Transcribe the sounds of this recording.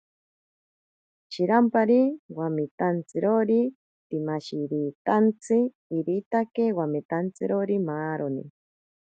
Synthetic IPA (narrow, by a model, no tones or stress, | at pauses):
t͡ʃiɾampaɾiwamit̪ant͡sɨɾoɾi | t̪imaʃiɾiːt̪ant͡sʰɨ | iɾit̪akewamet̪ant͡sɨɾoɾimaːɾonḭ